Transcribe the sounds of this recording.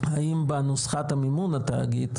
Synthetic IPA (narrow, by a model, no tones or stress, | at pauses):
haimbaanusχat̪amimunat̪a̰ɡit̪